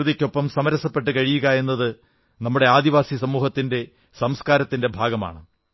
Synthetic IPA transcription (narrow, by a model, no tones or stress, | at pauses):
ðikʲːo̞pːɐmsɐmɐɾɐsɐpːe̞ʈ̬ːɨkɐɻijuɣɐe̞nːɐðɨ | nɐmːuɽe̞aːd̪iʋaːsisɐmuːhɐt̪ːinde̞ | sɐmskaːɾɐt̪ːinde̞bʱaːɡɐma̰ːɳɨ